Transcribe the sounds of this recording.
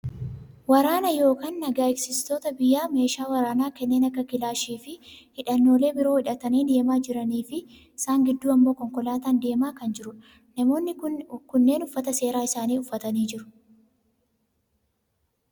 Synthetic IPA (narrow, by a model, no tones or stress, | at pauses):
wɐɾaːnɐjo̞ːkaːnːɐɡaːɪksɪst̪o̞ːt̪ɐbɪjːaːme̞ːʃaːwɐɾaːnaːkɛnːe̞ːnɐkːɐkɪlaːʃiːfɪhɪᶑɐnːo̞ːle̞ːbɪɾo̞ːhɪᶑɐt̪ɐniːd̪e̞ːmaːd͡ʒɪɾɐniːfɪ | ɪsaːŋɡɪd̪ːuːɐmbo̞ːkɔŋkɔlaːt̪aːnd̪e̞ːmaːkɐnd͡ʒɪɾʊ | nɐmo̞ːnːɪkʊnːe̞ːnʊfːɐt̪ɐse̞ːɾaːɪsaːniːʊfːɐt̪ɐniːd͡ʒɪɾʊ̥